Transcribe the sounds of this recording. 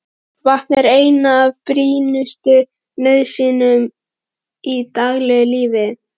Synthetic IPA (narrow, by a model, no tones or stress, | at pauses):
vat̪nɛɾeːjnaːvpɾiːnʏst̪ʏ | nœðsiːnʏm | it̪aɣlɛɣʏliːvɪ